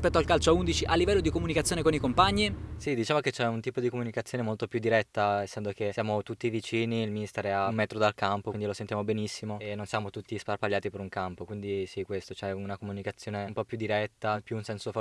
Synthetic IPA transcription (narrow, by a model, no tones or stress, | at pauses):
spɛt̪ːoalkalt͡ʃoaund̪it͡ʃiʔalːivɛlːod̪ikomunikat̪sːjoːnekonikompaɲːisid̪it͡ʃaːmoket͡ʃɛunt̪iːpod̪ikomunikat̪sjoːnemolt̪opjud̪iɾɛt̪ːaesːɛnd̪okesjaːmot̪ut̪ːivit͡ʃiːniilminist̪ɛɾeamɛːt̪ɾod̪alkampokind̪ilosent̪jamobenisːimoenːonsjaːmot̪ut̪ːisparpaʎːaːt̪ipeɾuŋkampokwind̪isikːwest̪ot͡ʃɛunakomunikat̪sːjoːnempɔpjud̪ːiɾɛt̪ːapjuunsɛnsof